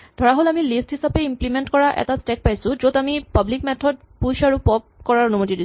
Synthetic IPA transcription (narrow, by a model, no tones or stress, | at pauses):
d̥ʱɔɹaɦolamilisthisapɛimplimentkɔɹaʔɛ̰tastɛk̚pajsʊ̃zodamipablikmɛtʰɔd̚ | pusaɹupɔp̚kɔɹaɹɔnumotidi